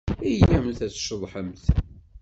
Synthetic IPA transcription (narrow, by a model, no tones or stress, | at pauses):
ijæmənθæt͡sːʃðˤħəmθ